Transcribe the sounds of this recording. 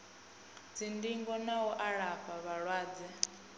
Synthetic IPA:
d͡zindiŋɡɔnawɔʔaɺaɸaβaɺwaːd͡zɛ

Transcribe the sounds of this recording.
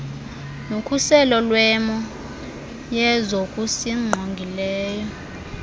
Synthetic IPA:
nokʰʼusɛlɔlwɛmɔ | jɛzokʼusiŋ͡ǃʱoŋɡʱilɛːjɔ

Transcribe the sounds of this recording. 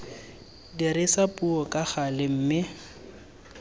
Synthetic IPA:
diɾɪsapʼuɔkʼaχalɪm̩ːmɪ

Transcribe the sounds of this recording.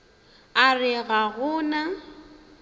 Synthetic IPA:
arɪɣaɣʊːna

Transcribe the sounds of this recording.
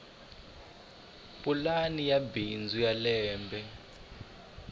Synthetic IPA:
pʼulanijabind͡zʱujalɛːmbʱɛ

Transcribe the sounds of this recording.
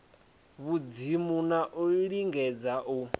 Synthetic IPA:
βud͡zimunaʔuɺiɺiŋɡɛd͡zaʔu

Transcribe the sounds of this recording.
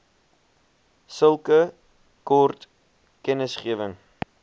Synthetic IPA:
səlˠkə | kɔrt | kɛnəsχiəvəŋ

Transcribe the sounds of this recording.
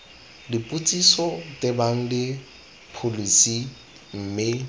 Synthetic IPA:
dipʼut͡sʼisɔtʼebaŋ̩dɪ | pʰolisi | m̩mɪ

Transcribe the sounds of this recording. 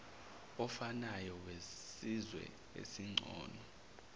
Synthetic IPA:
ɔfanajɔwesizwɛ̰ | ḛsiŋ͡ǀʱɔ̰ːnɔ

